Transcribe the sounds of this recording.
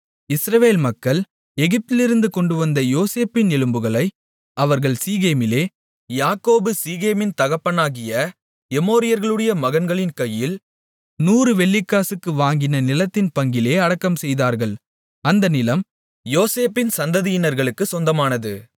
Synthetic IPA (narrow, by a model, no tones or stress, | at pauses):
ɪsɾɐʋeːlmɐkːɐɭ | ɛɣɪp̚t̪ɪlɪɾɯnd̪ɯkɔɳɖɯʋɐnd̪ɐjoːseːpːɪnɛlɯmbɯɣɐɭɐɪ | ɐʋɐɾɣɐɭsiːɣeːmɪleː | jaːkːoːbɯsiːɣeːmɪnt̪ɐɣɐpːɐnaːɣɪjɐ | ɛmoːɾɪjɐɾɣɐɭɯɽɐjɐmɐɣɐnɡɐɭɪnkɐjːɪl | nuːɾɯʋɛɭːɪkːaːsɯkːɯʋaːŋɡɪnɐnɪlɐt̪ːɪnpɐŋɡɪleːɐɽɐkːɐmsɛjðaːɾɣɐɭ | ɐnd̪ɐnɪlɐm | joːseːpːɪnsɐnd̪ɐðɪjɪnɐɾɣɐɭɯkːɯsɔnd̪ɐmaːnɐðɯ